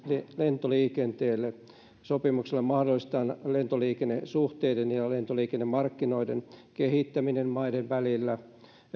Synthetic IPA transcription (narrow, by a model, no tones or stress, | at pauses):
llent̪oliːkent̪eːlːe | sopimukselːemɑhdolːˑist̪ɑːnlent̪oliːkenːesuht̪eidenjɑlent̪oliːkenːemmɑrkːinoidḛnkehit̪ːæminenmɑideʋʋælilːæ